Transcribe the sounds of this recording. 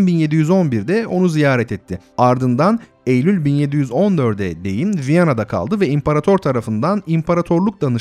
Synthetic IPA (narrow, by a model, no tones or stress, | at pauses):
nbinje̞d̪ijyzo̞nbiɾd̪ɛo̞nuzijaːɾɛt̪ʰɛt̪ʰːɪaɾd̪ɯnd̪an | ejlʲylʲbinje̞d̪ijyzo̞nd̪ø̞ɾd̪ɛd̪e̞jinvijanad̪akʰa̰lˠd̪ɯvɛimpʰaɾat̪ʰo̞ɾt̪ʰaɾafɯnd̪animpʰaɾat̪ʰo̞ɾlˠuk̚d̪anɯ